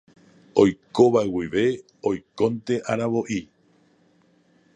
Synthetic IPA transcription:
o̞jko̞ʋaewiʋe̞ | ojkõ̞nt̪e̞ʔaɾaβo̞ʔi

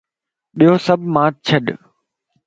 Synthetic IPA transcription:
ɓiɦosɐbʱmãːt̪̚t͡ɕʰɐɗ

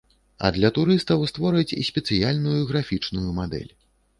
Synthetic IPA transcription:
ɐ̰d̪lʲɐt̪uɾɨst̪ɐwst̪vɔɾɨt͡sʲisʲpʲɛt̪sɨjalʲnujuɣɾafʲit͡ʂnujumad̪ɛ̰lʲ

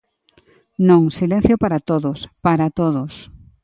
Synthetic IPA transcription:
nõŋsilẽn̟θjopaɾat̪oðospaɾat̪oðʊs

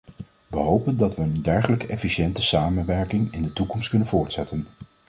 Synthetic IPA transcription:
ʋəɦowpəndɑtʋənəndɛɹχələkəʔɛfiʃɛntəsaːmənʋɛɹkɪŋɪndətukɔmst̚kɵnənv̥ʊːɹtsɛtən

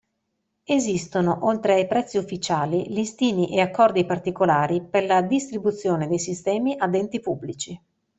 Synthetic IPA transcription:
ezist̪onoʔolt̪ɾeajpɾɛt̪sːiufːit͡ʃaːlilist̪iːniʔeakːɔrd̪ipart̪ikolaːɾiperlad̪ist̪ɾibut̪sːjoːned̪ejsist̪ɛːmiʔad̪ɛnt̪ipubːlit͡ʃi

